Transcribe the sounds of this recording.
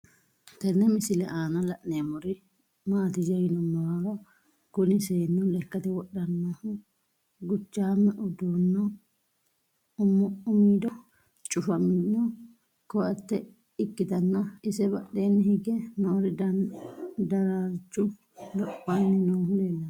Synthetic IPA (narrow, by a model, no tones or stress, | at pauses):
t̪ɛnːɛmɪsɪlɛʔaːnɐlɐʔnemɔɾɪ | maːt̪ɪd͡ʒɐjɪnɔmːɐwaɾɐ | kʊnɪseːnːɛlɛkːɐt̪ɛwɔɗːɐnːohʊ | ɡʊt͡ʃːaːmːɛʔʊd̪unːɔ | ʊmiːd̪ɔ | t͡ʃʼʊfɐmɪnɔ | kɔʔɐt̪ːɛ | ɪkːɪt̪ɐnːɐɪsɛbɐʔːeːnːɪhɪɡɛnɔɔɾɪ | d̪ɐɾat͡ʃːʊ | lɔpːanːɪnoːhʊleːlːɐn